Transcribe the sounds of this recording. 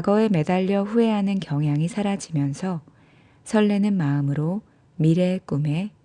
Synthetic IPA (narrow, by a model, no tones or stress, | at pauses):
kaɡʌe̞me̞daʎːʌɸue̞ɦanɯnkjʌŋɦjaŋisʰaɾad͡ʑimjʌnsʰʌ | sʰʌɭːenɯnmaɯmɯɾo | miɾe̞k͈ume̞